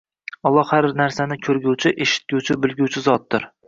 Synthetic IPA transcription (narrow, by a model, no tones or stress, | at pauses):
ɒlˠːɒhhaɾnaɾsanɪkʲʰɵɾɡʲʊwt͡ʃʰɪʔeʃɪ̥t̪̚ɡʲʊwt͡ʃʰɪbɪlˠɡʲʊwt͡ʃʰɪzɒt̪̚d̪ɪɾ